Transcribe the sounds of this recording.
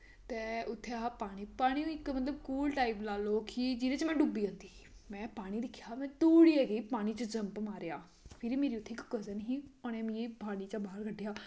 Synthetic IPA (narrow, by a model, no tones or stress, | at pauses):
t̪eːʊt̪ʰːeapaːɽ̃iːpaːɽ̃iːũːɪkmət̪ləb̚kuːlʈaːiplaːloːkɪd͡ʒɪɾeːt͡ʃmɛ̃ːɖuːbiːə̃nd̪iːmɛ̃ːpaːɽ̃iːd̪ɪkʰːjaːmɛ̃ːt̪uːɽiːɛːɡəiːpaːɽ̃iːt͡ʃəd͡ʒəmpmaːɾejaː | pʰɪɾiːmeːɾiːʊt̪ʰːeːkkəzənɦĩːonɛ̃ːmĩeːpaːɽ̃iːt͡ʃaːbaːəɾɡʰəɖːɪjaː